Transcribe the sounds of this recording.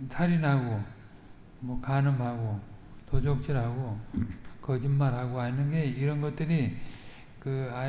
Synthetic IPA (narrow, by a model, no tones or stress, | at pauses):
sʰaɾinɦaɡo | mʌkanɯmɦaɡo | tod͡ʑok̚t͡ɕ͈iɾɦaɡo | kʌd͡ʑimːaɾɦaɡoɦanɯnɡeiɾʌnɡʌt̚t͈ɯɾi | kɯa